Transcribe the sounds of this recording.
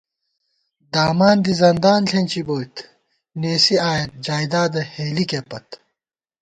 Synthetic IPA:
d̪aːmaːnd̪izɐnd̪aːnɬʰẽːnʲt͡ɕiboːjt̪ | neːsiaːjɐt̪̚d͡ʑaːjd̪aːd̪ɐheːlikepɐt̪

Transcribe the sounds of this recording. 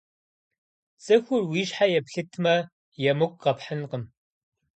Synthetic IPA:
t͡sʼɨxʷʊrwiːʃħajɛpɬɨtʰmɐ | jɛmɨɡʷʼqɐpħənqəm

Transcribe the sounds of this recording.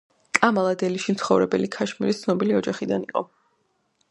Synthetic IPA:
kʼamalˠad̪ɛliʃimt̪sʰχɔvɾɛbɛ̰likʰaʃmiɾist̪sʰnɔbiliɔd͡ʒaχid̪aniqʼɔ

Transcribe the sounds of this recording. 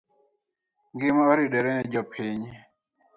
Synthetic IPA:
ŋɡɪmaoɾiɗɛɾɛnɛd͡ʒɔpʰɪɲ

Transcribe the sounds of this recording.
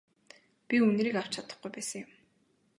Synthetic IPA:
pʲiunɾiːkaw̥t͡ɕʰat̪ə̥̆χɡujpæːsə̆ŋjʊm

